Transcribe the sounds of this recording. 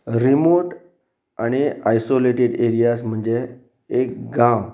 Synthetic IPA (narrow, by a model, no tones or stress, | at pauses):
ɾimoʈ | añiajsoleʈeɖeɾijasm̤əɳd͡zeː | kɡãw